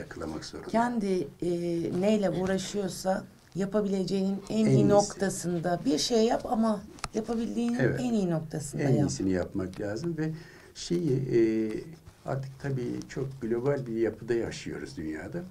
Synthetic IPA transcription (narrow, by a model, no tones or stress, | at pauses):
jakʰɯlˠama̰kz̥oɾucʰɛnd̪ɪ | nejlʲɛuːɾaʃɯjo̞ɾsa | japʰabilʲe̞d͡ʒe̞jninænijino̞kt̪ʰasɯnd̪abiɾʃejːapamajapʰabilʲd̪iːnivænijino̞k̚t̪ʰasɯnɛnaisinijapmaklʲaːzɯmvɛ | ʃe̞jiː | a̰ɾt̪ʰɯ̥k̚t̪ʰabiːt͡ʃʰo̞k̚ɡlʲo̞balʲbiɾjapʰɯd̪aja̰ʃɯjo̞̰ɾṵzd̪ynja̰ːd̪a